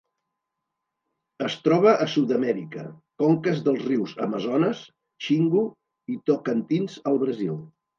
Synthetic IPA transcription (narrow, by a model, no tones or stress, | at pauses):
əst̪ɾɔβ̞əʔːsud̪əmɛɾikə̰kɔŋkəzðəlˠzriwzə̰məzɔnəs | ʃiŋɡu | it̪okənt̪inzəlˠβɾəzilˠ